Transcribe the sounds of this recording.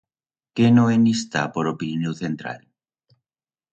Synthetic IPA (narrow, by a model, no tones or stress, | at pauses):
kenoenist̪apoɾopinnoθent̪ɾa̰l